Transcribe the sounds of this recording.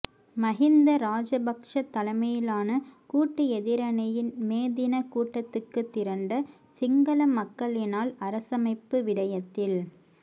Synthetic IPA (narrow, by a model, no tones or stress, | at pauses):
mɐɣɪnd̪ɐɾaːd͡ʒɐbɐkʂɐt̪ːɐlɐɪmɐjɪlaːnɐkuːʈːɯɛðɪɾɐnɐjɪnmeːðɪnɐkuːʈːɐt̪ːɯkːɯt̪ːɪɾɐɳɖɐ | sɪŋɡɐlɐmɐkːɐɭɪnaːlɐɾɐsɐmɐɪpːɯʋɪɽɐjɐt̪ːɪl